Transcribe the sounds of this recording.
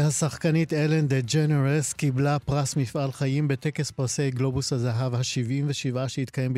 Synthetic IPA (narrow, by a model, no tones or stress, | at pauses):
hasaχkanit̪elend̪ed͡ʒeneʁeskiblapʁasmifʔalχajimbe̞t̪eke̞spʁasejɡlo̞bushazaɦavhaʃivʔimveʃivaʃehit̪kajemb